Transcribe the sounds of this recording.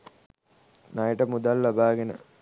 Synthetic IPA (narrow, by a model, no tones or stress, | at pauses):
najʈəmud̪alːabaːɡenə̰